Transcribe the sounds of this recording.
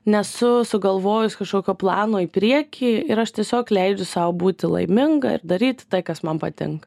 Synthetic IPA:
nʲɛsʊsʊɡɐlˠʋoːjʊsʲkɐʃkoːkʲoːplˠɑːnoːiːpʲɾʲiɛkʲiːɪɾɐʃt̪ʲiɛsʲoːklʲɛɪd͡ʒʲʊsɑːbuːt̪ʲɪlˠɐ̰ɪmʲɪŋɡɐ̰ɪ̰ɾd̪ɐɾʲiːt̪ʲt̪ɐɪkɐsmɐnpɐt̪ʲɪ̰ŋkɐ

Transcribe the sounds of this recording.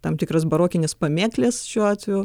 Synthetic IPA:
t̪ɐmt̪ʲɪkɾɐsbɐɾoːkʲɪnʲɪspɐmʲeːklʲesʃʲuɔaːt̪ʲʋʲuː

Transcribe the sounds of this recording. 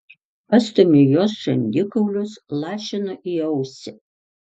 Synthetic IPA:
pɐst̪ʊmʲɪjoːsʒ̥ɐnʲd̪ʲɪkɐʊlʲʊslˠɑːʃʲɪnoʔiɐʊsʲɪ

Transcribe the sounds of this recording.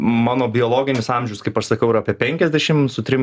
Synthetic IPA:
mɑːnoːbʲɪoːlˠoːɡʲɪnʲɪsɑːmʲʒʲɛʊskɐɪpɐʃsɐkʲɛʊɪɾɐpʲiɛpʲɛŋʲkʲɛzʲd̪ʲɛʃʲɪmsʊt̪ʲɾʲɪm

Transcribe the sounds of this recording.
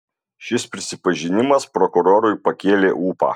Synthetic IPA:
ʃʲɪspʲɾʲɪsʲɪpɐʒʲɪnʲɪmɐspɾɔkʊɾoːɾʊɪpɐkʲeːlʲḛːʔuːpɑ̰ː

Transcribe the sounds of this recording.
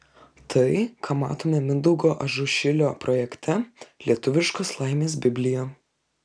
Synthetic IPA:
t̪ʰɐɪkʰaːmɑ̰ːt̪oːmʲɛmʲɪnd̪ɐʊɡoːʔɐʒʊʃʲɪlʲoːpɾɔjɛkʲt̪ʲɛlʲiɛt̪ʊʋʲɪʃkoːslˠɐɪmʲeːs̬bʲɪbʲlʲɪjoː

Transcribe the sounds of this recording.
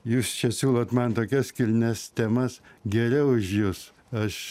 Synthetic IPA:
juːst͡ʃʲɛsʲuːlˠoːt̪mɐnt̪oːkʲɛskʲɪlʲnʲɛst̪ʲɛmɐsɡʲɛɾʲɛʊʊʃjʊs | ɐʃ

